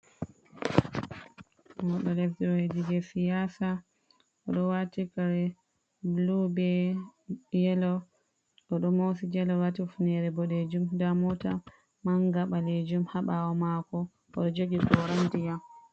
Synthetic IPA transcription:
wɔɗɔlɛfdɔwedid͡ʒɛsijasa | ʔɔɗɔwatikaɾɛ | blubɛ | jɛlɔ | ɗɔɗɔmosid͡ʒɛlɔwatifunɛɾɛbɔɗed͡ʒumdamɔta | maŋɡaɓaled͡ʒumhaɓawɔmakɔ | ʔɔɗɔd͡ʒoɡiɡɔɾandijam

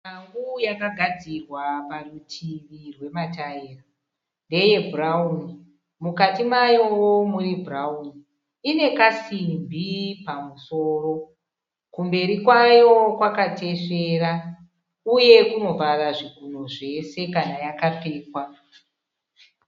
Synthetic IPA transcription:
maŋɡujakaɡʱad͡zirwaparutʰiʋirwe̞mataiːra | nde̞je̞bʱurauni | mukatimajo̞womuribʱurauni | ine̞kasimbipamuso̞ːro̞ | kumbe̞ɾikwajo̞kwakate̞ʂe̞ːra | uje̞kuno̞varaʐiɡʱunoʐe̞se̞kanajakap͡fe̞ːkwa

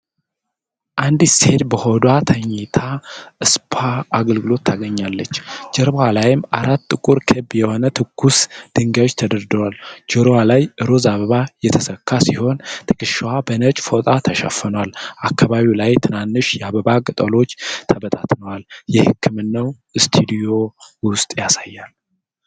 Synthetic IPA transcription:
ʔand̪shed̪bəhod̪wat̪ʰəɲːɛt̪ʰaʔɨspʰaːɡəlɡɨlo̞t̪ʰːaɡəɲːalːət͡ʃːd͡ʒɛɾβwalajɪmʔaɾat̪ːɨkʼuɾkʰɨbjɛho̞nət̪ʰɨkːusd̪̥ɨŋɡawot͡ʃːt̪ʰəd̪əɾd̪əwald͡ʒoɾowalajʔɨɾozaβəβajɛt̪ʰəsəkʰːasiho̞nt̪ʰɨ̥kʼɨʃwabənət͡ʃʼfot̪ʼat̪ʰəʃa̰fːənwalʔakːaβaβiwlajt̪ʰɨnanːɨʃjɛaβəβakʼɨt̪ʼəlo̞t͡ʃːt̪ʰəbət̪ʼat̪nəwaljɛhɨkʰːɨmɨnːəw | ɨst̪ʰud̪ijo̞wʊst̪ʼjasajːal

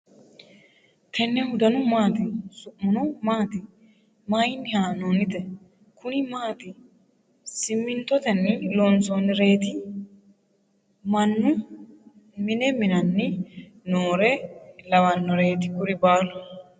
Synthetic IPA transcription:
t̪ʰɛnːɛhʊd̪ɐnʊmaːt̪ɪsʊʔmːʊnʊmaːt̪ɪ | maːjɪnːɪhaːnoːnɪt̪ɛ | kʰʊnɪmaːt̪ɪ | sɪmːɪnt̪ɔt̪ɛnːɪloːnsoːnɪɾe̞ːt̪ɪ | mɐnːʊ | mɪnɛmɪnɐnːɪ | noːɾɛlɐwɐnːɔɾe̞ːt̪̬ɪkʊɾɪbaːlʊ

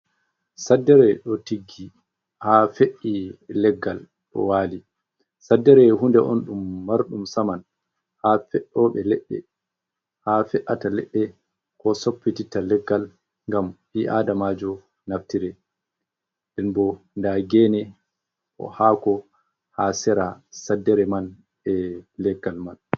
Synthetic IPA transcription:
sadːɛɾɛɗɔtiɡːi | hafeʔilɛɡːal | ɗɔ̰waːli | sadːɛɾɛɦundɛʔɔ̰nɗumːaɾɗumsaman | hafɛʔɔɓɛlɛɓːɛ̰ | hafɛʔatalɛɗːɛ | kɔsopːititalɛɡːal | ŋɡamʔiʔadamad͡ʒɔ | naftiɾɛ | dɛnbɔ | ndaɡɛːnɛ | ʔɔ̰haːkɔ | hasɛɾasadːɛɾɛman | ɛlɛɡːalman

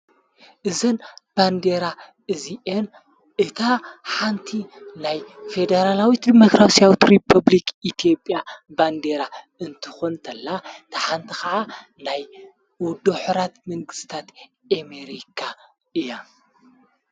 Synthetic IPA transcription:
ʔɨzɐnb̥and̪eɾa | ʔɨziʔen | ʔɨt̪ʰaħant̪ʰinajfed̪eɾalawit̪d̪imokɾasijawit̪ɾipʰɐβlikit̪ʰijo̞pʼjaband̪eɾa | ɨnt̪ʰɨ̥xont̪ʰɐlːat̪ʰɐħant̪ʰixɐʕa | naj | wɔd̪oħuɾat̪mɨŋɡɨst̪ʰat̪ | ameɾikʰa | ʔɨja

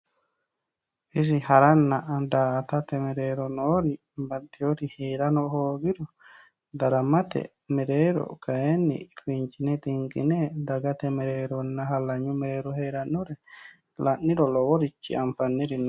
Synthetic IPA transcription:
ʔis̬ihaɾanːaːdat̪at̪ɛmɛɾɛɾɔnɔɾi | bat̪ːiwoɾihɛɾanɔhoːɡiɾɔ | d̪aɾamat̪ɛ̰ | mɛɾɛɾɔ̰kajenːḭfiɲt͡ʃinɛt̪iŋɡḭnɛdaɡat̪ɛmɛɾɛɾɔnːaɦalaɲumɛɾɛɾɔhɛɾanuɾɛ | lanːiɾɔlɔwoɾit͡ʃːḭamfanːiɾin

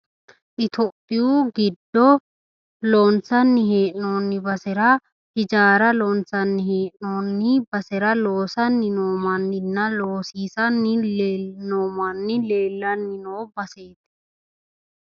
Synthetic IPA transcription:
ʔɪt̪ʰopʼːɪjuːɡɪd̪ːɔ | loːnt͡sɐnːɪɦeːʔno̞ːnːɪbɐsɛɾɐ | hɪd͡ʒaːɾɐloːnt͡sɐnːɪheːʔno̞ːnːɪbɐsɛɾɐloːsɐnːɪnoːmɐnːɪnːɐloːsiːsɐnːɪlenoːmɐnːɪleːlːɐnːɪnoːbɐseːt̪

